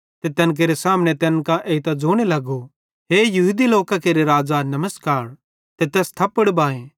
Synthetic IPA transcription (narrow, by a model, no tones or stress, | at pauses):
t̪et̪ɛːnk̬eːɾesaːmñet̪ɛːnkãʔeːit̪ad͡ʒoːɽ̃elɐɡo | ɦeːjɐɦʊd̪iloːkãkeːɾeɾaːd͡ʒanɐməskaːɾ | t̪et̪ɛːst̪ʰɐpːəɽbãːẽː